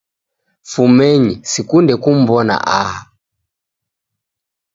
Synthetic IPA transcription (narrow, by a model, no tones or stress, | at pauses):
fumɛɲisikundɛkum̩bɔna̰ʔaha